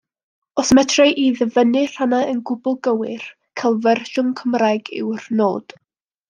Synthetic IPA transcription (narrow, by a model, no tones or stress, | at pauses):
ɔsmɛtʰrajʔiðəvənɨr̥anaənɡʊbʊlˠɡəwɪr | kʰalˠvɛrʃʊnkʰəmrajɡɪ̰wrnoːd̥